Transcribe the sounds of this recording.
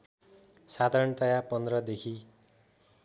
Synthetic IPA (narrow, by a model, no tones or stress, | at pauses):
sad̪ʱaɾʌɳt̪ʌjapʌnd̪rʌd̪ekʰi